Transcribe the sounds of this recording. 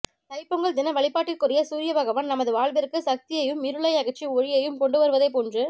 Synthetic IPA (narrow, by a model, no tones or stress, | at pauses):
t̪ɐɪpːɯŋɡɐɭd̪ɪnɐʋɐɭɪpːaːʈːɪlkʊrɪjɐsuːɾɪjɐʋɐɣɐʋɐnnɐmɐðɯʋaːɭʋɪɾɯkːɯsɐk̚t̪ɪjɐjɯmɪɾɯɭɐɪɐɣɐt͡ʃːiɔɻɪjɐjɯmkɔɳɖɯʋɐɾɯʋɐðɐɪpɔndrɯ